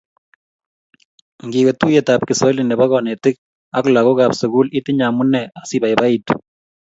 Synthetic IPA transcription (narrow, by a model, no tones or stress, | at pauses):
ŋɡikotujɛtap̚kɪsɔlinɛbakɔnɛtɪk̚ | aklakokapsuɡulitɪɲamunɛasibajbaitu̥